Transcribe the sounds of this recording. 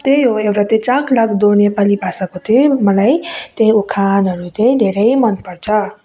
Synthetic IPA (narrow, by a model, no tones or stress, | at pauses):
t̪eɦoewɾat̪et͡ʃakʰlakʰd̪onepalibʱasakot̪ʰimʌlajt̪ẽjukʰanɦʌɾut̪ejd̪ʱeɾʌjmʌnpʌɾt͡sʰʌ